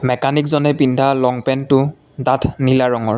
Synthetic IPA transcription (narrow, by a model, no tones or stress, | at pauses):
mɛkanikzɔnɛbindʱalɔŋpɛntʊ | datʰnilaɹɔŋɔɹ